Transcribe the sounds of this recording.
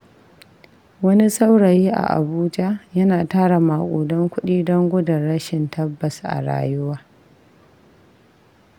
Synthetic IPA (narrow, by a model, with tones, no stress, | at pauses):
wɐ˦ni˦sa˦wɽa˨jiː˦ʔa̰˨ʔa̰˨buː˦d͡ʒa˦jɐ˦naː˨taː˦ɽa˨ma˨kʷʼuː˨dɔ˦ŋkʷʊ˦ɗiː˦dɔ˦ŋɡʷʊ˦da˨ɽɐ˦ʃɪ˨ntʰɐ˦bːɐ˨sʔa̰˨ɽa̰ː˨jʊ˦waː˦